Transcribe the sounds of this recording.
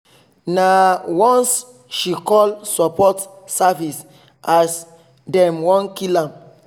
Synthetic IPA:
nawɔ̃ns | ʃikɔlsɔpʰɔtsavis | as | dɛ̃mwɔ̃nkilãm

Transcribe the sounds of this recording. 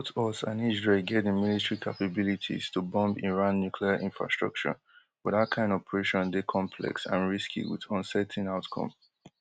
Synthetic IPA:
tʰɔsã̰nid͡ʒɹɛɡɛdĩmilitəɹikʰapabilitʰḭstubɔ̃mbiɹãnːjukʰliaʔĩnfɹa̰stɹ̥ɔk̚t͡ʃə̰ | wɔðat̚kʰãɪ̃ndɔpʰɹeʃɔ̃ndekʰɔ̃mpʰlɛ̰ksã̰nɹiskʰḭwḭðɔ̃nsɛtʰĩŋaʊtkʰɔ̰̃m

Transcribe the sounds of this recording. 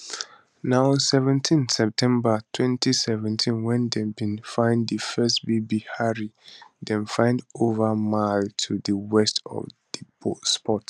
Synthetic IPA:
naɔ̃nsɛvɛ̃ntʰĩnsɛp̚tʰɛ̃mbatʰwɛ̃ntʰisɛvɛ̃ntʰĩnwɛ̃ndɛ̃bĩnfãɪ̃ndəfɛstbibihaɹidɛ̃mfãɪ̃ndovamaltʰudəwɛstɔ̰vd̥ibospɔt

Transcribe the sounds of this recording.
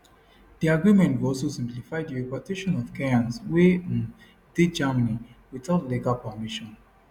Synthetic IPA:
d̥iaɡɹimɛ̃ntvɔlsosĩmplifaɪdiɹipatʰeʃɔ̃nɔv̥kɛãnsweĩn | ded͡ʒamaniwitɔtliɡalpamiʃɔ̃n

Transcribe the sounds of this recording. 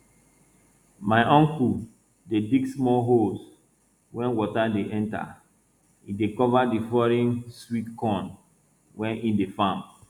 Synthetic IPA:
maɪʔɔ̃ŋku | dediɡsmɔlɦos | wɛ̃nwɔtadeʔɛ̃nta̰ | idekɔvadifɔɾĩnswitkɔ̃n | wɛ̃nidefãm

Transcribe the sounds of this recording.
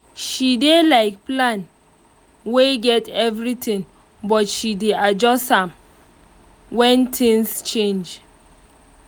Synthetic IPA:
ʃidelaɪk̚plãn | weɡɛtɛvɹitĩŋ | bɔtʃidead͡ʒɔstãm | wɛ̃ntʰĩŋst͡ʃẽnd͡ʒ

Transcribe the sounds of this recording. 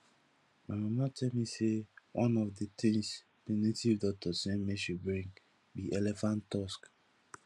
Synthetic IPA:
mamamatʰɛlmisewʔãnɔfdət̪ĩŋs | pinitivdɔk̚tʰɔsɛ̃nmeʃubɹĩŋ | biʔɛlɛfãnttːɔsk

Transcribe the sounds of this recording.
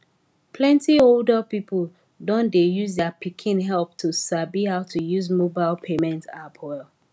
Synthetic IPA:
pʰlɛ̃ntioldəpipʰəl | dɔ̃ndejuzdɛpʰikʰĩnɦɛlp̚tʰusabihaʊtʰujuzmobaɪlˠpʰemɛ̃ntʰapʰɔɪl

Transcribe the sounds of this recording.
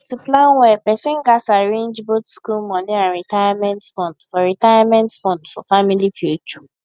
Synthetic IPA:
tuplãnwɛpɛsɛ̃nɡasaɹẽnd͡ʒbotskulmɔ̃niãnɹitajamɛ̃ntfɔ̃ndfɔɾitajamɛ̃ntfɔ̃ndfɔfamilifjut͡ʃɔ

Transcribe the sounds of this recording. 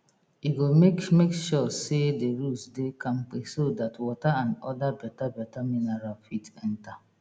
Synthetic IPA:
iɡomekmekʃɔsedeɾusdekãŋ͡m̩k͡pesodatwɔtaãnɔdabɛtabɛtaminaɾalfitɛn̩ta

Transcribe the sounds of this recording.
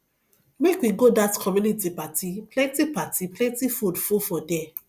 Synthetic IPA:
mekwiɡodatkʰɔmjũnitipatiplɛ̃ntipatiplɛ̃ntifudfufɔdɛ

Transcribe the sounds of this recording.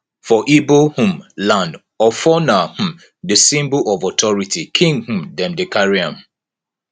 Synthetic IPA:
fɔʔibohũmlãnd | ɔfɔnah̩ | desĩmbulʔɔvɔtʰɔɹitikʰĩŋɡhũmdɛ̃mdekaɹiãm

